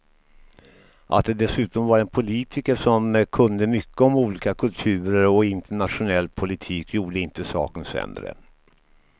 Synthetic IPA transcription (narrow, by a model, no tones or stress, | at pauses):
ʔa̰t̪̚d̪ɛd̪ɛsʉ̟ːt̪ɔmvaɾɛnpʰʊliːt̪ʰɪkəʂɔmkʰɵnd̪əmʏkːəɔmuːliːkakʰɵlt̪ʰʉ̟ːɾəɾɔɪnt̪ʰəɳat̪ɧʊnɛlːpʰʊlɪt̪ʰiːkʰjuːɖəɪnt̪əsɑ̰ːkənsɛ̰nd̪ɾə̰